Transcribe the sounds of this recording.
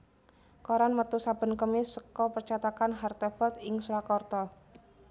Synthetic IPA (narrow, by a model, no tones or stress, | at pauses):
kɔɾanmət̪usab̥ə̤nkəmɪsːəkɔpərt͡ʃat̪akanɦart̪əfɔlt̪ɪŋsuɾakɔrt̪ɔ